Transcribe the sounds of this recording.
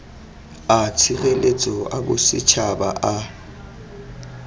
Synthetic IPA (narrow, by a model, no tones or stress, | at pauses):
at͡sʰiɣelet͡sʼɔabʊsɪt͡ʃʰaba̰ʔa